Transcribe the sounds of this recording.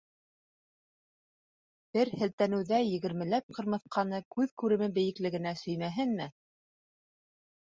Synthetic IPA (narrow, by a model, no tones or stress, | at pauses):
b̥ɘɾhɘ̆lt̪ænɘ̆wðæjɘ̆ɡɘ̆ɾmɘ̆læp̚qʰɤ̆ɾmɤ̆θqɑnɤkʉðkʉɾɘ̆mɘbɘ̆jɘ̆klɘ̆ɡɘ̆næsɵ̆jmæɦɘnmɘ